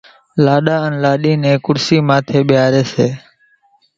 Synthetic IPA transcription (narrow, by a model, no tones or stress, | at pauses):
laːɗaːənlaːɗiːnẽːkʊɾsiːmãːt̪ʰeːɓɪjaːɾeːseː